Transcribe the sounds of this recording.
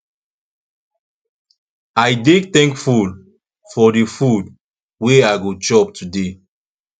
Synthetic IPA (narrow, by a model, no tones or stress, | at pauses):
ajdektɛ̃ŋkful | fɔdefud | weajɡot͡ʃɔptʰude